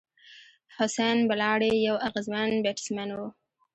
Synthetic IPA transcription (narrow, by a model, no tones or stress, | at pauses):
hʊsanbalɑːɽejawaɣəzmanbeʈɪ̥smanwu